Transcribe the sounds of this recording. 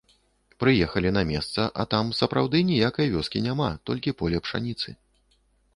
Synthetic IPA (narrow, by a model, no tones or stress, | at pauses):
pɾɨjɛxɐlʲinɐmʲɛst̪sɐʔɐt̪amsɐpɾawd̪ɨnʲijakɐjɐvʲɔskʲinʲamat̪ɔlʲkʲipɔlʲɛpʂa̰nʲit̪sɨ̰